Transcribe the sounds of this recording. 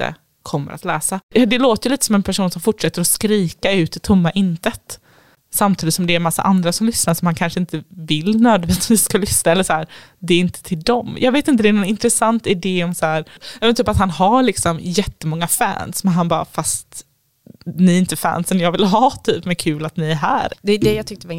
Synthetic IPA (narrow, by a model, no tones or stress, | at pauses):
t̪ə̰ | kʰɔmːə̰ɾʔat̪lɛ̰ːsad̪ɛloːt̪əjəliːt̪əsɔmɛnpʰæʂuːnsɔmfʊʈʂɛt̪ːəɾɔskɾiːkaʉ̟ːt̪ɪt̪ʰʊmːaʔɪnt̪ət̪ | samt̪ʰiːd̪ɪt̪sɔmd̪ɛːɾmasːa̰ʔand̪ɾasɔmlʏsnaʂɔmhankʰanʂəɪnt̪əvɪlːnøːd̪vɛːt̪viːsːkalʏsnaɛlːəʂæːɾd̪ɛːɾɪnt̪ʰə̥t̪ʰɪld̪ɔmjʔɑːɡveːt̪ɪnt̪əd̪ɛːnɔnɪnt̪ɾɛsant̪ɪd̪eːɔmsæːɾjɑmɛnt̪yːpat̪hanhaɾɭɪksɔmjɛt̪ːəmɔŋːafæ̰ːnsmɛnɦanbɑːɾa̰fast̪ | nɪɪnt̪əfæ̰ːnsɛnjɑːɡvɪlɦɑːt̪ʰyːpmɛnkʰʉ̟ːlat̪nɪæɾɦæ̰ːɾd̪ɛd̪ɛjat̪ʏkt̪ə